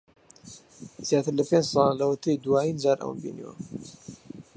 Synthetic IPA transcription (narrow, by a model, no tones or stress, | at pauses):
z̥jaːt̪ɨɾlɐpend͡ʒsˤɑllɐwət̪ʰejd̪uwaːjind͡ʒaːɾʔə̰wə̰nbḭnḭwɐ̰